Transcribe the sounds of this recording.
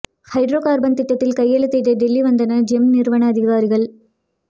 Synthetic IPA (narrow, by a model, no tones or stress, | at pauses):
hɐɪɖɾoːkaːɾbɐnt̪ɪʈːɐt̪ːɪlkɐjːɐɭɯt̪ːɐɪʈ̪ɐɖɪlːiʋɐnd̪ɐnɐd͡ʒɛmnɪɾʋɐɳɐːðɪɣaːɾɪɣɐɭ